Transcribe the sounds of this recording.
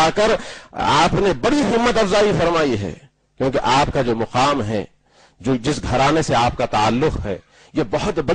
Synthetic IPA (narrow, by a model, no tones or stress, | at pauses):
akəɾa̰ːpnebɐɽixɪbːət̪ɐfzaːifɐɾmaːiɦɛ̰ː | kjõːkeʔaːp̚kad͡ʒoːmɐqaːmɦɛ̰ | d͡ʒoːd͡ʒɪsɡʱɐɾaːneseaːp̚kat̪aalːʊqɦɛ̰ː | jebɐɦʊt̪bɐ